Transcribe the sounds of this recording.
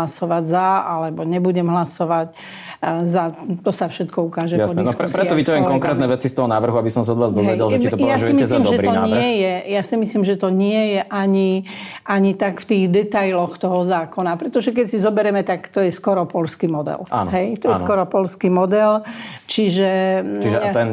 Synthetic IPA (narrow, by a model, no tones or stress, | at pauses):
lasɔʋaɟzaalɛbɔɲɛbuɟɛmɦlasɔʋac | zat̪ɔsafʃɛt̪kɔukaːʒɛjasɔd̪ɛnɔɾɛpɾɛɔʋit̪aʋjɛmkɔŋkɾɛːt̪nɛʋɛt͡sist̪ɔɦɔnaːvr̩ɦuabisɔmsaɔd̪ʋaːzd̪ɔzɛʋɛɟɛlʒɛt͡ʃit̪ɔpjɔasʒujɛimiɛszlimd̪ɔʒɛɾiɔaɲːɪɛjɛjasimislimʒɛt̪ɔɲɪɛjɛʔaɲi | ʔaɲit̪akft̪iːɣd̪ɛt̪ajlɔxt̪ɔɦɔzaːkɔnapɾɛt̪ɔʒɛk̬ɛcsizɔbɛɾɛmɛt̪akt̪ɔjɛskɔɾɔpɔlskimɔd̪ɛ̰la̰ːnɦɛjt̪ɔjɛskɔɾɔpɔlskimɔd̪ɛlt͡ʃiʒɛt͡ʃiʒɛat̪ɛn